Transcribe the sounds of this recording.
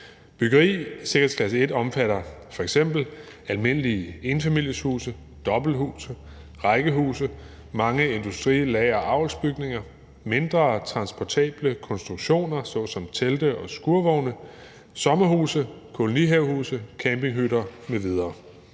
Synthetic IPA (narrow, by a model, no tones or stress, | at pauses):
b̥yɡ̥ɐʁḭːse̝ɡ̥ɐheskʰlæsəe̝d̥ɒ̽mfæɾɐfɒ̽eɡ̥sem̰b̥l̩ | ælme̝n̰əliəe̝nfæmil̰jəshṵːsə | d̥ɒ̽b̥l̩hṵːsə | ʁɑ̈ɪɡ̥əɦṵːsə | mɑ̈ŋəe̝nd̥usd̥ʁḭːlɛɪɐʔɑ̈ʊlsb̥yɡ̥ne̝ŋɐ | me̝nd̥ʁɐːt͡sʰʁɑ̈nsb̥ɒt͡sʰɛ̰ːb̥ləkʰɒ̽nsd̥ʁuɡ̥ɕo̝̰ːnɐsɒ̽sɒ̽mt͡sʰeld̥əʔɒ̽sɡ̥uɐʋɒʊnə | sɒ̽mɐhuːsəkʰo̝loniɦeʊhṵːsəkʰæmbe̝ŋɦyɾɐmeʋið̞ˠɐː